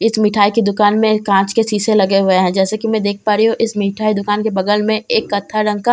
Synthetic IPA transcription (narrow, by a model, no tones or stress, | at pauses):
ɪsmɪʈʰaːikid̪ʊkaːnmẽkãːt͡ʃkesiːselɐɡeɦʊeɦɛ̃d͡ʒɛːsekimɛ̃d̪eːkʰpaːɾiɦũʔɪsmiʈʰaːid̪ʊkaːnkebɐɡəlmẽeːkːɐt̪ʰːaɖɐ̃ŋɡ̚ka